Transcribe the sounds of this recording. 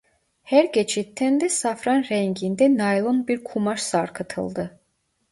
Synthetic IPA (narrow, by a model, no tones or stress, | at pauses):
hæɾɟet͡ʃʰit̪ʰːænd̪ɛsafɾɑnɾɛŋɟind̪ɛnajlˠonbiɾkʰumaʃsaɾkʰɯt̪ʰɯ̰lˠd̪ɯ